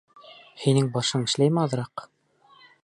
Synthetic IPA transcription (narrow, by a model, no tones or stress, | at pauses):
hinɘŋbɑʃɤɴɘ̆ʃlæjmɘɑðɤ̆ɾɑq